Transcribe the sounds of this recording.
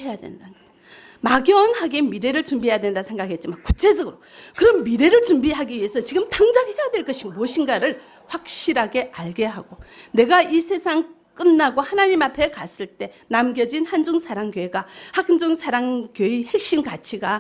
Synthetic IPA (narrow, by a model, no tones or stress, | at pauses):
ejadwḛndannɡʌd͡ʑo | maɡjʌnhaɡe̞miɾe̞ɾɯɭt͡ɕumbiɦe̞jadwe̞ndasʰe̞ŋɡakɦe̞t̚t͡ɕ͈imankut͡ɕʰe̞sʰʌɡɯɾokɯɾʌnmiɾe̞ɾɯɭt͡ɕumbiɦaɡiɥiesʰʌt͡ɕiɡɯmtaŋd͡ʑakejadwe̞ɭk͈ʌɕʰimoɕʰiŋɡaɾɯɭ | ɸwak̚ɕ͈iɾaɡe̞aɭɡe̞ɦaɡ̥one̞ɡaisʰe̞sʰaŋk͈ɯnːaɡohanaɲimapʰe̞kas͈ɯɭt͈e̞namɡjʌd͡ʑinhand͡ʑuŋsʰaɾaŋkjoeɡahakʰnd͡ʑuŋsʰaɾaŋkjoihe̞k̚ɕ͈imkat͡ɕʰiɡa